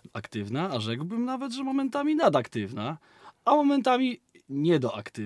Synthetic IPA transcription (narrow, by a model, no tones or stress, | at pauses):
akt̪ɘvnaːʐɛɡwbɘmnavɛd̪ʐɛmɔmɛnt̪amʲinad̪akt̪ɘvna | amɔmɛnt̪amʲi | ɲɛd̪ɔʔakt̪ɘ